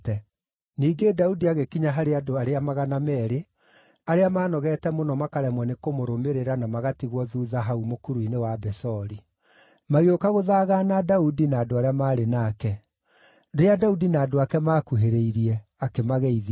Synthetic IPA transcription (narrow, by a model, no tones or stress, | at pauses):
tɛ | niːɡedaudiaɣekiɲaɦaɾeadoaɾeamaɣanamɛɾe | aɾeamaːnɔɣɛtɛmonɔmakaɾɛmwɛnekomoɾomeɾeɾanamaɣatiɣwɔðuðaɦaumokuɾuinewabɛsɔɾi | maɣeokaɣoðaɣanadaudinaːdoaɾeamaːɾenaːkɛ | dojadaudinaːdoakɛmaːkuɦeɾeiɾiɛakemaɣɛið